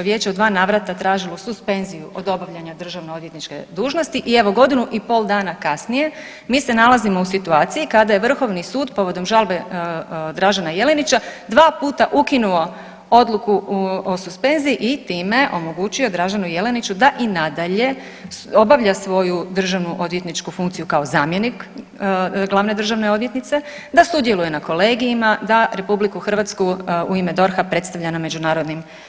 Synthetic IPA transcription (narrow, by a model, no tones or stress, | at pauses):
ʋje̞ːt͡ɕeod̪ʋaːnaːʋɾat̪at̪ɾaːʒilˠosuspe̞nzijuʔo̞d̪o̞baʋʎaɲad̪r̩ʒaʋnoojet̪nit͡ʃkḛd̪uːʒno̞st̪iʔie̞ʋo̞ɡo̞d̪inuʔipo̞ːld̪aːnakasnije̞ | miːse̞nalazimo̞usit̪uaːt̪sijikad̪aje̞ʋr̩xo̞ʋnisuːd̪po̞ʋo̞d̪o̞mʒalˠbe | d̪ɾaʒanaje̞le̞nit͡ʃad̪ʋaːpuːt̪aʔukinuo̞ | o̞d̪lukuosuspe̞nzijiʔit̪iːme̞ʔo̞mo̞ɡuːt͡ʃio̞d̪ɾaʒanuje̞le̞nit͡ʃud̪aʔinad̪aʎe̞ | o̞baʋʎasʋo̞jud̪r̩ʒaʋnuʔo̞d̪jet̪nit͡ʃkufuŋkt̪sijukao̞zaːmje̞nik | ɡlˠaʋne̞d̪r̩ʒaʋne̞o̞d̪jet̪nit̪se̞ | d̪asud̪je̞lˠuje̞nako̞le̞ːɡijimad̪aɾe̞publikuxr̩ʋat̪skuuime̞d̪o̞ɾxapɾe̞t̪st̪aʋʎaname̞d͡ʒunaːɾod̪nim